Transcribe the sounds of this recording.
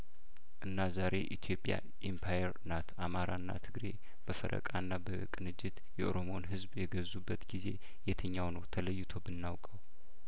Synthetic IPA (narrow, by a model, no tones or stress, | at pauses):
ʔɨnːazaɾe̞ʔit̪ʰjo̞pʼja̰ | ʔimpʰajɛɾnat̪ʰamaɾaɨnːa̰t̪ʰɨɡɾe̞ | b̥əfə̰ɾʔə̰kʼanːabəkʼɨnɨd͡ʒːɪt̪jɛʔoɾomo̞nɦɨzbjɛɡəzːubːət̪ɡize̞̰ | jɛt̪ʰəɲːawnəwt̪ʰələjːɪt̪ʰo̞bɨnːawkʼəw